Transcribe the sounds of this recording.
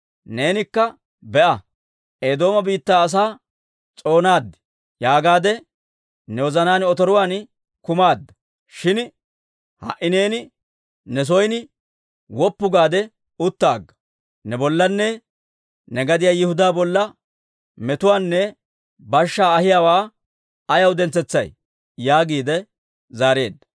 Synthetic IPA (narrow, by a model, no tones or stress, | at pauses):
neːnɪkːɐ | bɛʔɐ | ʔeːd̪o̞ːmɐbiːt̪ːaːɐs̬aː | t͡sʼo̞ːnaːd̪ːɛ̥ | jaːɡaːd̪ɛ | nɛwɔzɐnaːnɔt̪ɔɾʊwaːn | kʊmaːd̪ːɐ̥ | ʃɪn | hɐ̰ʔːɪne̞ːnɪ | nɛs̬ɔjnɪ | wɔpːʊɡaːd̪ɛ | ʊt̪ːa̰ːɡːɐ̥ | nɛbɔlːɐnːɛ | nɛɡɐd̪ɪjaːjɪhʊd̪aːbɔlːɐ | mɛt̪ʊwaːnːɛ | bɐʃːaːhɪjaːwaː | ɐjɐwd̪ɛnt͡sɛt͡sːɐj | jaːɡiːd̪ɛ | zaːɾeːd̪ːɐ̥